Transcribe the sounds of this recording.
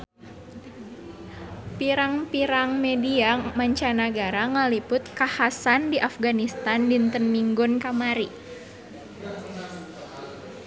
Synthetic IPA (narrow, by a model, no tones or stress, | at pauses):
piɾaŋpiɾaŋmediamaɲt͡ʃanaɡaɾaŋalipʊt̪̚kahasandiʔafɡanist̪andint̪ənmiŋɡɔnkamaɾi